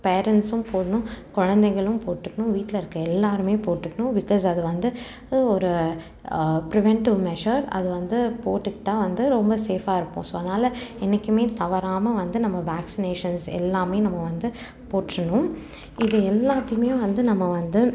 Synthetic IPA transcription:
peːɾɛnʈsʊ̃mpoːɽɐnʊ̃kɔɻɐnd̪ɛŋɡɐɭɯ̃mpoːʈːɯkːɐɳʊ̃ʋiːʈːlɐɪɾɯkːɯɛlːaːɾɯmeːpoːʈːɯkːɐɳʊ̃bɪkɔːs̬ɐðɯʋɐnd̪ɯ | ɔɾɯ | pɾɪʋɛɳʈɪʋmɛʂɐɾɐ̰ðɯʋɐnd̪ɯpoːʈːɯkːɪ̥ʈːaːʋɐnd̪ɯɾɔmbɐseːfaːɪɾɯpːõ̰soːðnaːlɐɛnːɐkːɯmeːt̪ɐʋɐɾaːmɐʋɐnd̪ɯnɐmːɐʋaːksɪneːʂɐnsɛ̰lːaːmeːnɐmːɐʋɐnd̪ɯ | poːʈːɾɐɳʊ̃ | ɪðɯɛlːaːt̪ːɐjɯmeːʋɐnd̪ɯnɐmːɐʋɐnd̪ɯ

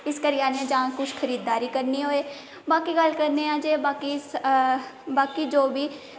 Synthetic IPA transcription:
ɪskəɾɪjaːnãːd͡ʒãːkʊt͡ʃʰkʰəɾiːd̪ːaːɾiːkəɾniːɦoːeː | baːkiːɡəlkəɾneːãːd͡ʒeːbaːkiːs | baːkiːd͡ʒoːbiː

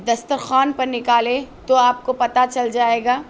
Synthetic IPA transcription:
d̪ɐst̪əɾxaːnpɐɾnɪkaːlẽt̪oaːp̚kopɐt̪at͡ʃɐld͡ʒaːeːɡaː

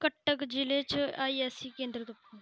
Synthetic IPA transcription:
kəʈːəkd͡ʒɪlet͡ʃaːiɛsikẽːnd̪ɾət̪pː

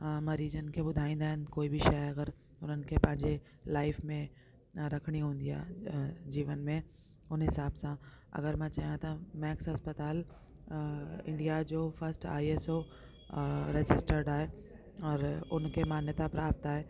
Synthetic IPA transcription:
mɐɾiːd͡ʒənkebʊd̪ʱaːĩːnd̪aɦenkoːibʱiʃɐjɐɡəɾ | ʊn̤ən̆kepɐ̃ɦɪ̃ɲd͡ʑe | laːɪfmẽ | ɾɐkʰɽ̃iɦõːnd̪ija̰d͡ʒiːʋənmẽ | ʊnɦɪsaːbsãɐ̰ɡəɾmɛ̃t͡ʃaːɦjãt̪ɐmɛ̃ːksɦɐspət̪aːl | ɪ̰̃ɳɖijad͡ʒoːfɐɾsʈa̰ːieso | ɾed͡ʒɪsʈəɾɖaːe | ɔːɾʊnkemaːnjət̪apɾaːp̚t̪aːɦɛː

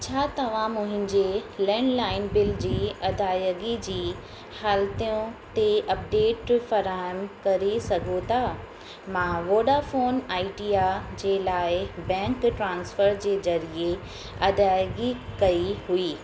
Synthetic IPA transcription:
t͡ɕʰaːt̪ɐʋ̤ãmʊ̃ɦɪ̃ɲd͡ʑelɛ̃ːɳɖlaːɪnbɪld͡ʑiːɐd̪ʱaːjəɡid͡ʑiː | haːlt̪ijõt̪eɐp̚ɖeːʈfɐɾaːəmkɐɾesɐɡʱot̪ʰaː | mãʋoːɖafoːnaːiɖijad͡ʑeːlaːɪbɛ̃ːŋkʈɾãːnsfəɾd͡ʑeːzɐɾie | ɐd̪ʱaːjɡikɐiɦuiː

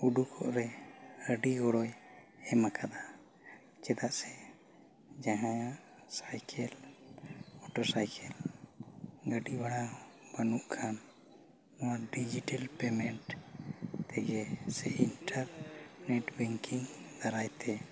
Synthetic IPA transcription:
uɖukʰɔ̰ʔɾɛhəɖiɔɽɔj | ɛmakʰad̪a | t͡ʃɛd̪aʔsɛ | d͡ʒaɦãjã | sajkʰɛl | mɔʈɔɾsajkʰɛl | ɡəɖibaɽabanuʔkʰan | nɔwaɖid͡ʒiʈalpɛmɛɳʈ | t̪ɛɡɛsɛinʈaɾnɛʈbɛŋkiŋd̪aɾajt̪ɛ

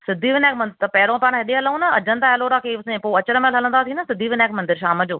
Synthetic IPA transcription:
sɪd̪ʱiʋɪnaːkmɐ̃nt̪ɐpɐɦɾõpaːɽ̃ɦɐɗeɦɐləũnɐɐ̰d͡ʑənt̪aːɦeloːɾakʰeːʊsẽpoɐt͡ɕəɾəmẽlɦɐlə̃nd̪at̪ʰĩːnəsɪd̪ʱiʋɪnaːkmɐnd̪ɪɾʃaːməd͡ʑoː

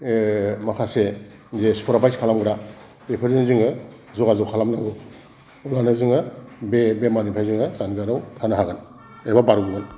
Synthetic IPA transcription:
makʰase | zespʰɔɾapʰajskʰalamɡɾa | epʰɯɾzinziŋɯ | zɔɡazawkʰalamnaɡɯ | ulanazɯŋɯbebemanipʰajziŋɯzanɡanawtʰanaɦaɡan | ebabaɾɡuɡan

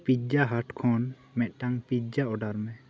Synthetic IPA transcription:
pid͡ʒaɦaʈkʰɔn | mɛt̪̚ˀʈaŋpid͡ʒaʔɔɖaɾmɛ

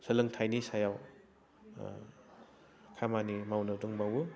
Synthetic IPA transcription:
səlɯŋtʰajnisajaw | kʰamanimawnɯwdɯŋbawu

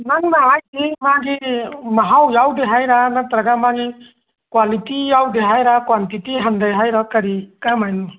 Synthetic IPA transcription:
naŋnaajd̪imaɡimaɦawjawd̪ɛɦajɾanat̪ɾaɡamaɡi | kwalitijawd̪ɛɦajɾakwantitiɦand̪ajɦajɾɔkaɾikamajn

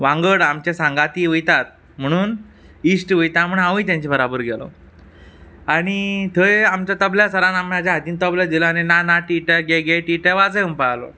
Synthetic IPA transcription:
ʋãŋɡəɽamt͡ɕesãŋɡat̪iʋəjt̪at̪̚ | m̤əɽ̃uːn | isʈʋəjt̪aməɳɦãʋĩt̪̬jãɲt͡ɕibəɾabəɾɡɛlɔ̰ | aɽ̃it̪ʰəamt͡ɕat̪əbljasəɾanamad͡ʑaɦat̪iːnt̪əblad̪ʱilɔañinanaʈiʈəɡeɡejʈiʈəʋad͡zeumpalɔ̰

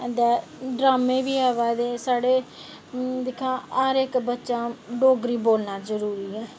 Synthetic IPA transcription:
d̪aːɖɾaːmẽːʋiːaːʋaːd̪eːsaːɽeː | d̪ɪkʰːãːəɾɪkbətːʃãːɖoːɡɾiːboːlnaːzəɾuːɾiːɛː

